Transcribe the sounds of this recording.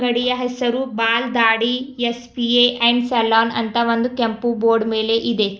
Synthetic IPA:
ɡɐɽijɐɦɛsɐɾubaːld̪aːɽiespieːʔɐɳɖselaːnɐ̰nt̪ɐʋond̪ukempuboːɾɖme̞ːle̞ʔid̪e

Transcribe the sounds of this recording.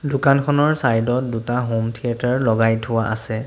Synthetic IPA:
dʊkankʰɔnɔɹsajdɔtdutaɦomtʰijataɹlɔɡajtʰʊwaʔa̰sɛ

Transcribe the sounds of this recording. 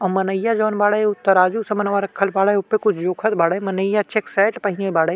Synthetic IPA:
ɔ̃mɐnəjːad͡ʒoːnbaːɽəʊt̪ːəɾaːd͡ʒusɐ̃mɐnʋaɾɐkʰːəlbaːɽəʊpːekʊt͡ʃʰd͡ʒoːkʰət̪̚baːɽəmɐnəjat͡ʃeksaɪʈpɐɦɪ̃nebaːɽə

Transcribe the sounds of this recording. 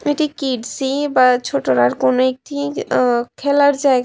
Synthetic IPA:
eʈikiɖsibat͡ʃʰoʈoɾaɾkonek̚ʈʰi | kʰeləɾd͡ʒaeɡ

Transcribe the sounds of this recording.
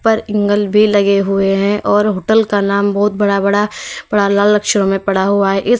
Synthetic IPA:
pɐɾɪ̃ŋɡəlbʱilɐɡeɦʊeɦɛ̃ʔɔːɾɦoːʈəlkanaːmbɔɦʊt̪̚bɐɽabɐɽab̥ɐɽalaːlɐkʃəɾõmẽpɐɽ̤aɦʊaɦɛʔɪs

